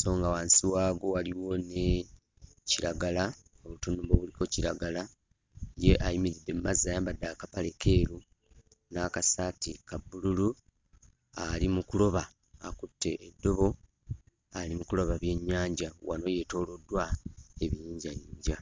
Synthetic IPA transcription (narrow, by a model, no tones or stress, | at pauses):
so̞ːŋɡawaːnsiwaːɡo̞waliwo̞ne | ciɾaɡala | oβutunuβo̞βuliko̞ciɾaɡala | je̞ʔajimiɾidːe̞mumazːaːjaːmbadːakapale̞ke̞ːɾu | nakasatikabːululu | alimukulo̞βa | akutːe̞ʔːdːo̞βo̞ | alimukulo̞βaβje̞ɲːaːɲɟawa̰no̞je̞to̞ːlo̞dːwae̞βijiːɲɟajiːɲɟa